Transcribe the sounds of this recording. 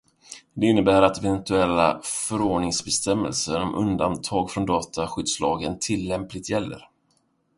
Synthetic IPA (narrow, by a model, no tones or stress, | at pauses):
d̪ɛɪnːəbæːɾat̪ɛvɛnt̪ɵɛlːa̰fœɾoːɖɳɪŋsbɛst̪ɛmːɛ̰lsəɾɔmʔɵ̰nd̪ant̪ʰɑːɡfɾɔnd̪ɑːt̪aɧʏd̪slɑːɡənt̪ʰɪlːɛmplɪt̪jɛlːə̰ɾ